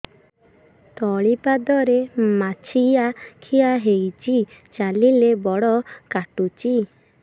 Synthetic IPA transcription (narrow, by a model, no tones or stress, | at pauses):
t̪ɔɭipad̪ɔɾemat͡ʃʰijakʰiaɦejt͡ʃit͡ʃalilebɔɽɔkaʈut͡ʃi